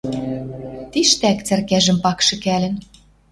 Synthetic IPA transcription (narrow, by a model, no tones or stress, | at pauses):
t̪iʃt̪ækt͡sæ̆rkæʒɘ̆mpɑkʃɤ̆kælɘ̆n